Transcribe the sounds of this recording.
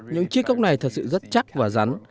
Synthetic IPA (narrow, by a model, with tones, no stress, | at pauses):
ɲɨ̰˧˥ŋt͡ɕi˧˦˥əkːa˦˥wk͡p̚na˨˩jt̪ʰə˨˩t̚sɨ̰˧˨zə˦˥t̚t͡ɕa˦˥k̚vaː˨˩za˨˦n